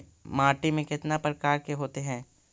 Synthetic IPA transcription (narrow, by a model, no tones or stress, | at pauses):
maːɾʈimẽkɪt̪napɾɐkaːɾkeɦoːt̪eɦɛ̃ː